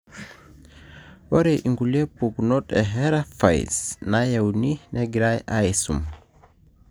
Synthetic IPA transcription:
wɔɾɛʔiŋɡulɛpːuɡnɔtɛɦɛɾafa̰jsnajawninɛɡɾajʔajsṵm

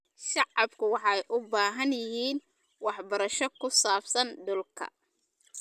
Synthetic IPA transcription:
ʃɑʕɑbkʰʊwɑħɑjʔʊbaːɦɐnjɪɦiːn | wɑħbɐɾɐʃɔkʰʊsaːbsɐnɖʊlkʰɐ̰

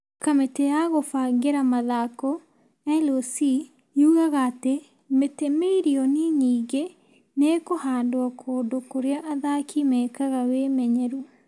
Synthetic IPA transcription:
kametejaɣofaŋɡeɾamaðakɔ | ɛlosi | juːɣaɣaːte | metemeiɾiɔniɲiːɡe | nekohaːndoakʰoːndokoɾeaʔaðakʰimɛːkaɣawemɛɲɛɾu

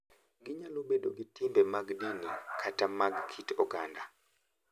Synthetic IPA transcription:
ɡiɲaluɓeɗoɡitimbɛmaɡdinikʰatamaɡkʰitɔɡanda

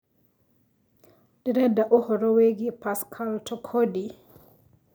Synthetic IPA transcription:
d̥iɾɛdaʔɔhɔɾɔweɡipaskʰaltʰɔkʰodi

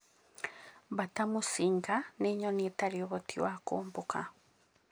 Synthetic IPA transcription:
βatamusiŋɡaneɲonetaɾioβotʰiwako̰ːmbokʰa̰

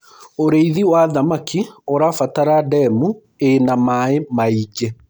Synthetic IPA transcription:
oɾeiðiwaðamakioɾafataɾadɛmu | enamaemaid͡ʒe

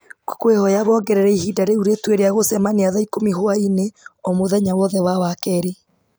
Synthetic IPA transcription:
ko̥kwehɔjaβɔːɡɛɾɛɾɛihidaɾeuɾetweɾeaɣosɛmaniaðaikomihwaineomoðɛɲawɔðɛwawakɛɾi

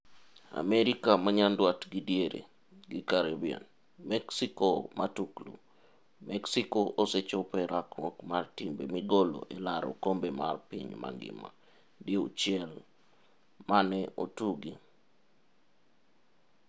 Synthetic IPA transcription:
a̰meɾikamaɲandwatɡidjeɾḛ | ɡikaɾebiɛ̰n | mɛksikomʔatuklṵ | mɛksikoʔoset͡ʃopɛɾakmɔkmartimbemiɡolo̰ʔelaɾo̰kombema̰rpiɲma̰ɡɪ̰ma̰ | deut͡ʃɪɛl | manɛʔotuɡi

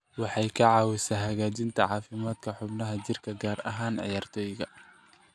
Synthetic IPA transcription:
wɑħɑjkʰɐʕɑːwɪsaːɦɐɣaːt͡ʃɪnt̪ʰɐʕɑːfɪmaːd̪kʰɐħʊbnɐɦɐt͡ʃɪrkʰɐɡaːrɐ̰ɦaːnʕɑ̰jaːrt̪ʰɔːjɣɐ

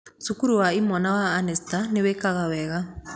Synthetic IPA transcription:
sukuɾuwaimɔnawaːnɛstaniβɛkaɣaβɛɣa

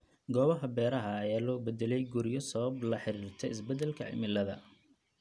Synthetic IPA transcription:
ɡɔːβɐɦɐbɛːɾɐɦɐːjaːlɔːbɛd̪ɛlɛjɡʊɾɪjɔsɐβɐblɐħɪɾiːrt̪ʰɛɪsbɛd̪ɛlkʰɐ̰ʕɪ̰mɪlːɐðɐ

